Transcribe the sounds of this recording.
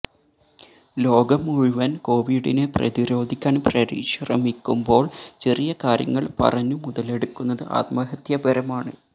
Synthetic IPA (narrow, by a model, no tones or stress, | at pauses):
lo̞ːɡɐmuɻuʋɐnko̞ːʋiɽineprɐ̰ðiɾo̞ːd̪ʱikʲːaːnprɐɾḭɕrɐmikʲːumbo̞ːɭt͡ɕe̞rijɐkaːɾjɐ̰ŋːɐɭpɐ̰rɐɲːumuðɐle̞ɽukːunːɐðɨʔa̰ːt̪mɐɦɐt̪jɐbɐɾɐmaːɳɨ